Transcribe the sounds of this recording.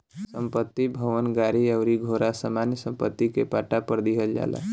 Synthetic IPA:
səmpət̪ːibʱəʋənɡaɾiəʊɾiɡʱoɾasəmanjəsəmpət̪ːikepaʈapəɾd̪iɦəld͡ʒa̰la̰

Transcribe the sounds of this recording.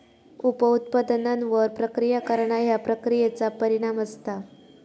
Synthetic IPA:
upəut̪̚pəd̪nanʋəɾpɾəkɾijakəɾɳajapɾəkɾijet͡sapəɾiɽ̃aməst̪a

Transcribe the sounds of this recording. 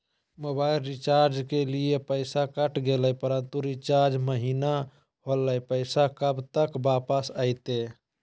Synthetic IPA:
mobaɪlɾit͡ʃaɾd͡ʒkeliepəɪsakəʈɡeləjpəɾənt̪uɾit͡ʃaɾd͡ʒməɦina | ɦoləjpəɪsakəbt̪əkbapəsəɪt̪e

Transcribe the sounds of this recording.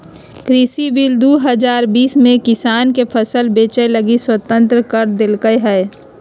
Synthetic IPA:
kɾisibild̪uːɦəd͡ʒaːɾbiːsmẽkɪsaːnkepʰəsəlbeːt͡ʃeləɡiswət̪ə̃nt̪ɾəkəɾd̪ɪlkəjɦɛː

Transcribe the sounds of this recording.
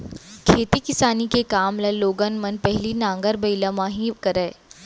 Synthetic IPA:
kʰeːt̪ikɪsaːnikekaːmlɐloːɡənmɐnpɛɦlinãːŋɡəɾbɐɪlamãːɦĩkɐɾɛː

